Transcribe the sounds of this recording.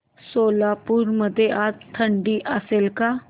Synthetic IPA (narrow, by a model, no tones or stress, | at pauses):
soːlaːpuɾməd̪eʔat̪t̪ʰəɳɖiːʔəsɪlkaː